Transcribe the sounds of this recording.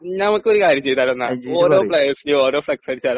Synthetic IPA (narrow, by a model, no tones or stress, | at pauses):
nɐmɐkːɨo̞ɾukaːɾjɐmɲt͡ɕe̞jt̪aːlonːaoːɾoːplejɐsileo̞ːɾo̞ːflɐksɐɾit͡ɕːaːl